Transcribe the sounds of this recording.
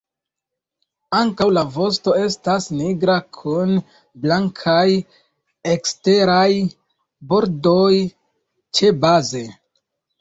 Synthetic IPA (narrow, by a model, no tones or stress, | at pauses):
aŋkawlavo̞s̬to̞e̞stasniɡɾakʰun | blaŋkʰaj | e̞kste̞ɾaj | bo̞ɾdo̞j | t͡ʃe̞baze̞